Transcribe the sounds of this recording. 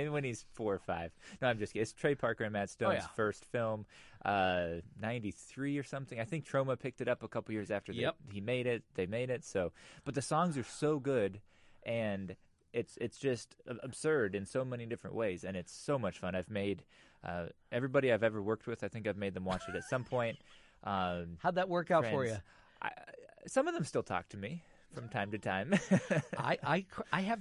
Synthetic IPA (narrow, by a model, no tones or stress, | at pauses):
ɪmiwɨ̃niz̥fɔɹfaɪv̥noʊãɪ̃md͡ʒʌsɨtstʰɹ̥eɪpʰɑɹkə˞ɨ̃nmæd̥stõjzfɜ˞stfɪlˠmʔʌnãɪ̃ntiθɹiə˞sʌ̃mθɪ̃ŋaɪθɪ̃ŋk̚tʰɹ̥oʊməpʰɪk̚tɨɾʌpəkʰʌpl̩ˠjɪɹzæftə˞ððimeɪɾɪt̪̚ðeɪmeɪɾɪtsoʊb̥ʌt̪̚ðɨsɔ̃ŋzə˞soʊɡʊd | ʔɨ̃n | ɪtsɪtsd̥ʒ̥ʌstɨb̥sɜ˞ɾɨ̃nsoʊmɛnidɪfɹɨ̃nʔweɪzɨ̃nɨtsoʊmʌt͡ʃfʌ̃naɪvmeɪɾ | ʔʌ̰ʔɛvɹibɑɾiaɪvɛvə˞wɜ˞k̚t̚wɨð̥aɪθɪ̃ŋkaɪvmeɪd̪̚ðə̃mwɑt͡ʃɨɾɨtsʌ̃mpʰɔ̃ɪ̃nt̚ | ʔʌhaʊd̪̚ðɨt̚wɜ˞kaʊtfə˞jzɨ | ʔa̰ɪsʌ̃mʌvðə̃mstɪlˠtʰɔ̰k̚tʰɨmi | fɹʌ̃mtʰãɪ̃mtɨtʰãɪ̃m | a̰ɪʔaɪkʰaɪɨv